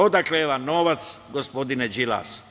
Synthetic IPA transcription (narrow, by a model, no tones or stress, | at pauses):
od̪akleʋanoʋat̪sɡospod̪inɛd͡ʒila̰ːs